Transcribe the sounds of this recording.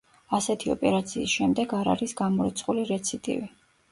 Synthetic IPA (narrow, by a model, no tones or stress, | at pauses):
asɛt̪ʰiɔ̰pʼɛɾat̪sʰiːsʃɛmd̪ɛɡaɾa̰ɾisɡamɔɾɛt̪sʰʼχʼuliɾɛt̪sʰit̪ʼḭvi